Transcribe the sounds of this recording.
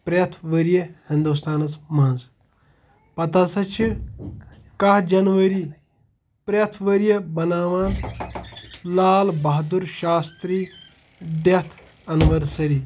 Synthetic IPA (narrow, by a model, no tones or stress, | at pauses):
pɾɐt̪ʰʋəɾjɐhĩnd̪ust̪ʰaːnɐsmans | pɐt̪asɐt͡ʃʰi | kɐɦd͡ʒɐnʋɐɾi | pɾet̪ʰʋəɾjɐbɐnaːʋaːn | laːlbɐɦd̪uɾʃaːst̪ɾiː | d̪et̪ʰ | ɐniʋɐɾsɐɾi